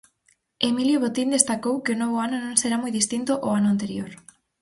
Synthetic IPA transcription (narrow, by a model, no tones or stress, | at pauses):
emiljoβot̪ind̪est̪akowkeonoβ̞oanonõŋseɾamojðist̪int̪oʔoanʊant̪eɾjoɾ